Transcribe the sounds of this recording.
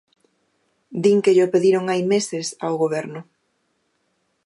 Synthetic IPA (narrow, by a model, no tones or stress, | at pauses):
d̪iŋkeʎopeðiɾoŋajmesɪsawɣoβ̞ɛɾnʊ